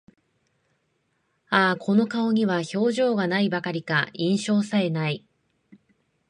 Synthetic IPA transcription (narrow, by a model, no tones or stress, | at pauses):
aːkʰo̞no̞kao̞ɲ̟iβ̞aço̞ːʑo̞ːɡanaibakaɾʲikaĩɰ̃ɕo̞ːsae̞nai